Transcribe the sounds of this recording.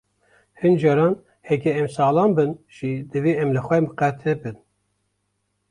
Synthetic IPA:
hɨnd͡ʒɑɾɑːn | hɛkɛɛmsɑːlɑːnbɨnʒ̥id̪ɨviɛmlɨxʷɛmqɛt̪ʰɨbɨn

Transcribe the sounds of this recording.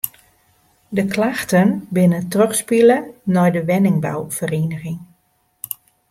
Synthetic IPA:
dəklaxtənbɪnətrøxspilənɔjdəʋɛnɪŋba̰wv̥əreːnəɣɪŋ

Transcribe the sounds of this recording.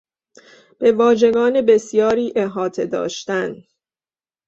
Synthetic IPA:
b̥e̞vɒːʒe̞ɡɒːne̞be̞sjɒːɾiːʔe̞ɦɒːt̪ʰe̞d̪ɒ̰ːʃt̪æn

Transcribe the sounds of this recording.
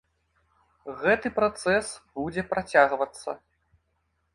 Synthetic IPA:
ɣɛt̪ɨpɾat̪sɛsbud͡zʲɛpɾat͡sʲaɣvɐt̪sːɐ̰

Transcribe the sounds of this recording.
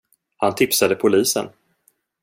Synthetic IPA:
hant̪ʰɪpsad̪əpʰʊliːsə̰n

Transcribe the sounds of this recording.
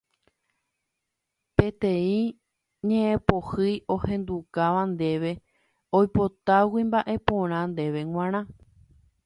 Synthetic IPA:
pe̞t̪ẽ̞ĩ | ɲẽʔẽpohɨjo̞hẽ̞nd̪ukaʋand̪e̞ʋe̞ | ojpo̞t̪awimbaʔe̞põɾ̃ãnd̪e̞ʋe̞ŋw̃ʷãɾ̃ã

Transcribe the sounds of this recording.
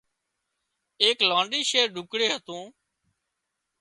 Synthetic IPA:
eːklãːɳɖiːʃeːɾɖʊkɽeːɦət̪ũː

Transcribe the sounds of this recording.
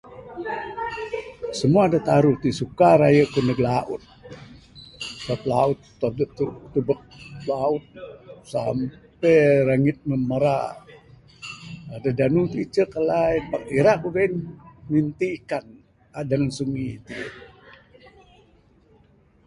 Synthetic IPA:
səmuadat̪aɾut̪isukaɾajəkunəɡlaʔʊ̰t̪̚ | saplaʊt̪ː | odət̪ubək̚plaʊt̪̚sampeɾaŋɪt̪̚məməɾa̰ | adadanut̪it͡ʃəkəlaibakiɾak̚buɡainmint̪ikan | adaŋansuŋḭt̪iə

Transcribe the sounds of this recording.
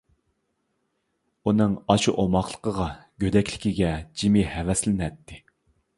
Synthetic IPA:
unɨŋɑʃuʔomɑχlˠə̥qʰəʁɑɡ̥ʲød̪ɛkʲlɪ̥kʲiɡʲɛd͡ʒimɪhɛvɛslɪnɛt̪ʰːɪ

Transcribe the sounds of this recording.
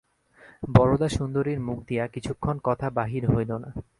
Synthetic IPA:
bɔɾod̪aʃund̪oɾeɾmuk̚d̪ijakit͡ɕʰukʰːonkɔt̪ʰabaɦiɾɦojlona

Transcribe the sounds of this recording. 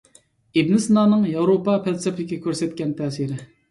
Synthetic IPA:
ebnɪsnɑːnɨŋjɑwɾopɑpʰælsɛpʰlɪkʲɛkʲʰøɾsɛt̪̚kʲɛnt̪ʰɛːsiɾɪ

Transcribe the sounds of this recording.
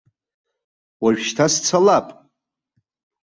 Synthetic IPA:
waɥᶣʃtʰast͡sʰalapʼ

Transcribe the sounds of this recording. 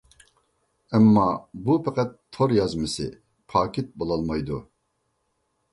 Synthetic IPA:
ɛmːɑbupʰɛqɛt̪ʰːoɾjɑzmɪsɪ̰ | pʰɑːkʲʰet̪̚bolˠɑlˠmɑjd̪u

